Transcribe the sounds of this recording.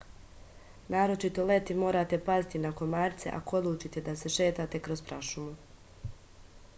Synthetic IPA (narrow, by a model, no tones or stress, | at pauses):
naːɾo̞t͡ʃit̪o̞le̞t̪imo̞ːɾaːt̪e̞pazit̪inakonmaːɾt̪se̞̰ʔa̰ko̞d̪lˠuːt͡ʃit̪e̞d̪ase̞ʃe̞ːt̪aːt̪e̞kɾospɾaʃumu